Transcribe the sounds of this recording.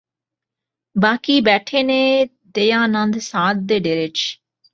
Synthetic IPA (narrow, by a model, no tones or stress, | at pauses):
baːkiːbɛːʈʰeːnẽː | d̪eːjãːnə̃nd̪sãːt̪̚d̪eːɖeːɾɪt͡ʃ